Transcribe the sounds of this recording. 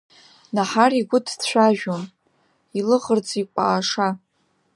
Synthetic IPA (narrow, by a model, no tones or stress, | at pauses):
naħariɡʷʊdʰt͡ɕʷʰᶣaʒᶣon | ilɨʁərd͡zʼikʷʼa̰ːʂa